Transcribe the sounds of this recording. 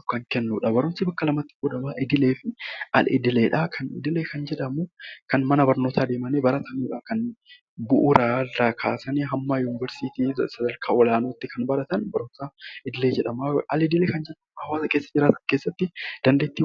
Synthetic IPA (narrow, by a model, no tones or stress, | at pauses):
kːɐŋkɛnːuːᶑɐbɐɾʊnsibɐkːɐlɐmɐt̪ːɪ̥ɡɔd̪ɐmaːʔɪd̪ɪle̞ːfɪɐlɪ̰d̪ɪleːᶑɐkʰɐnɪ̰d̪ɪleːkɐnd͡ʒɛᶑɐmuːkɐnmɐnɐbɐɾno̞ːt̪ʰaːd̪eːmɐneːbɐɾɐt̪ʰɐniːᶑɐːkɐn | bʊʔʊɾaːrːɐkʰaːsɐniːɦɐmːaːjuːnɪvɛɾsiːt̪iːsɐd̪ɐlkʰaːʔɔlaːnoːt̪ːɪkʰɐnbɐɾɐt̪ɐnbɐɾʊnsaːɪd̪ɪle̞ːd͡ʒɛᶑɐmaɐ̰lɪd̪ɪleːkɐnd͡ʒɛᶑɐmhɐwaːsɐke̞ːsːɐd͡ʒɪɾaːt̪ɐ̥nkeːsːɐt̪ːɪd̪̥ɐnd̪eːt̪ːiː